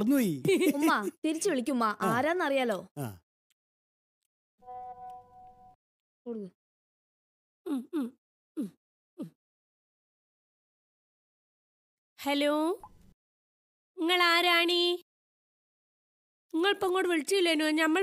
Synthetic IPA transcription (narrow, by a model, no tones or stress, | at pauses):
rɐnːuiumːat̪iɾit͡ɕːɨʋiɭik̬ʲːumːaʔaːɾaːnːɐrijaːlo̞ːa̰ | koɽukːɐ | mm | hɐloː | iŋːɐɭaːɾaːɳi | iŋːɐɭpoŋːoːɽɨʋeɭit͡ɕːijilːenuɐɲɐmːɐ